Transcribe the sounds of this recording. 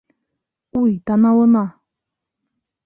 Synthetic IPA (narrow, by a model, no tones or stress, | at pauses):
ujt̪ɑnɑwɤnɑ